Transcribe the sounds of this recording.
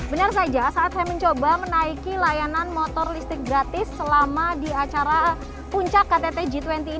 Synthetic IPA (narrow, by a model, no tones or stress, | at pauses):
bənars̬ad͡ʒasaːt̪̚haməɲt͡ʃobamənaikilajananmɔt̪ɔrlist̪ɪk̚ɡɾat̪ɪsːəlamadiat͡ʃaɾa | puɲt͡ʃakːat̪et̪ed͡ʒit̪wɛnt̪iː